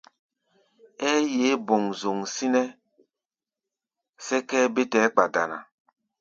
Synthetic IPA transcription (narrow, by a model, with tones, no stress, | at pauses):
ɛː˦je˨˦bo˨ŋzo˨ŋsi˦nɛ˦ | sɛ˦kɛː˦be˦tɛː˨˦k͡pa˨da̰˨na̰˨